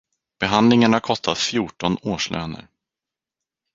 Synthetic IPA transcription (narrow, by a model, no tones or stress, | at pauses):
b̥ɛɦand̪lɪŋaɳakʰɔst̪ʰat̪fjuːʈɔnoːʂɭʔø̰ːnə̰ɾ